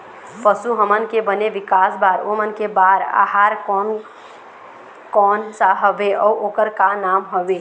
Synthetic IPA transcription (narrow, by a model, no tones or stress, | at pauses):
pəsuɦəmənkebəneʋikasbaɾomənkebaɾa̰ɦaɾkɔn | kɔnsaɦəbeʔɔuʔokəɾkanamɦəbe